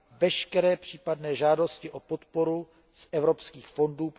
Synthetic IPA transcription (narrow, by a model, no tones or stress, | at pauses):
vɛʃkɛɾɛːpr̝̥iːpadnɛːʒaːdo̞scɪʔo̞po̞t̪poɾu | sʔɛvɾo̞pskiːxfo̞nduːp